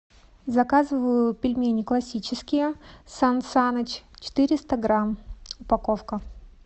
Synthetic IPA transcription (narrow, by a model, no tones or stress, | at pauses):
zɐkazɨvəjʊpʲɪlʲmʲenʲɪklˠɐsʲit͡ɕɪskʲɪjəsansanət͡ɕt͡ɕɪ̥t̪ɨɾʲɪst̪əɡɾamʊpɐkofkə